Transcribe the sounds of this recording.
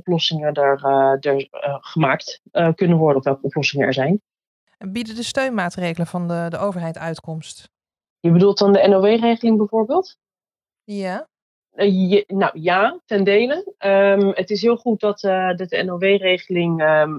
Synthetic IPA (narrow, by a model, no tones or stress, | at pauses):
ɔplɔsɪŋədərdəɹχəmaːkt | əkɵnənʋɔɹdənɔfʋɛlˠkəɔplɔsɪŋənɛ̰ɹzɛjn | ɛnbidədəstøɥnmaːtrejχələvɑndədəʔowvəɹɦɛjtœɥtkɔmst | jəbədulˠtɑndəɛnoʋejrejχəlɪŋbɛjvoːɹbɪːlˠt | ja | nawjaːtɛndejləəmətɪs̬ɦɪːlˠχut̚dɑtdɑt̚dəɛnoʋejrejχəlɪŋ